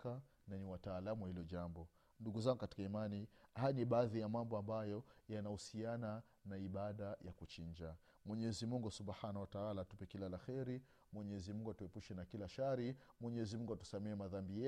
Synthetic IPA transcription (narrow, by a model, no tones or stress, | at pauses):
ka | naniwataːlamuwahilɔʄambɔ | nduɡuzaŋɡukati̥kaimanihajniɓaːðijamambɔambajɔjanahusiana | naiɓaɗajakut͡ʃiɲd͡ʒa | mwɛɲɛzimuŋɡusubhanawataalatupɛkilalaxɛɾi | mwɛɲɛɛzimuŋɡuatuɛpuʃɛnakilaʃaɾimwɛɲɛɛzimuŋɡuatu̥samɛɛmaðambijɛ